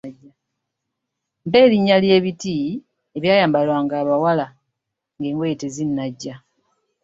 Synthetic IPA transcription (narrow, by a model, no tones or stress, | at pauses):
ɟːa | mpe̞ːɾiɲːalje̞ːβiti | eβjaːjaːmbalwaːŋɡaːβawala | ŋɡe̞ːŋɡwetezinːaɟːa